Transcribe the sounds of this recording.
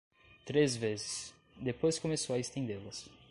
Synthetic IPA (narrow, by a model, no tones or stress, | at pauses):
t̪ɾezvezɪ̥s | d̪epojskomesowɐest̪ẽnd̪elɐs